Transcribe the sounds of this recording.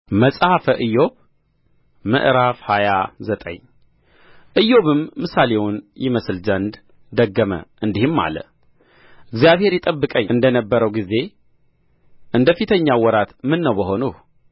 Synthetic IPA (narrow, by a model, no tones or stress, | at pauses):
məsʼhafəʔɨjo̞β | mɨ̰ʔɾafhajazət̪ʼə̰ɲ | ʔɨjːo̞βɨmːɨsalewunjɪməslzənd̪ | d̪əɡːəmə̰ʔɨnd̪ihɨmːa̰lə̰ | ɨɡzijaβhe̞ɾjɪt̪ʼəbːɨkʼəɲːɨnd̪ənəbːəɾəwɡize̞ | ʔɨnd̪əfit̪ʰəɲːawɔɾat̪mɨnːəwbəɦo̞nuh